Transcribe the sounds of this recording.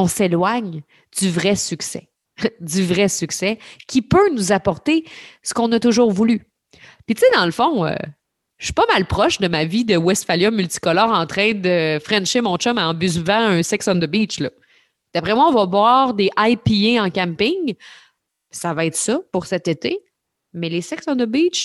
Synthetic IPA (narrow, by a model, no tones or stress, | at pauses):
ɔ̃selwaɲ | d̪yvʁɛsyksɛ̰ | d̪yvʁɛsyksɛkʲipønuzapɔʁt̪esə̥kɔ̃nət̪ʊʒuːʁvuly | pit̪t͡sed̪ɑ̃ləfɔ̃ø̰ | ʃy̥pɔmalpχɔʃd̪əmavid̪əwɛst̪faljɔ̃mylt̪i̥kɔlœːʁɑ̃t̪χɛ̃d̪əfʁɛ̃nʃemɔ̃t͡ʃɔmaɑ̃byzvãœ̃sɛksɑ̃nd̪əbit͡ʃlʌ | d̪̥apʁɛmwaɔ̃vʌvwɑːʁd̪eʔajpieɑ̃kʲãmpɪŋ | savaɛːt̪sɔpʊʁsɛt̪et̪e | mɛlesɛksɑ̃nd̪əbit͡ʃ